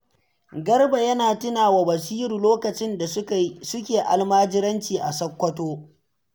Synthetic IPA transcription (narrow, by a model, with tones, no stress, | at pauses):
ɡɐ˦rba˨jɐ˦naː˨tɪ˦naː˨wa˨bɐ˨siː˦ɾu˨loː˦kɐ˨t͡ʃɪ˦nda˨ssʊ˦kʲeː˨ʔa̰˨lmaː˦d͡ʒɪ˦ɾɐ˦nt͡ʃiː˨ʔa˨sɐ˦kʷːɐ˦toː˦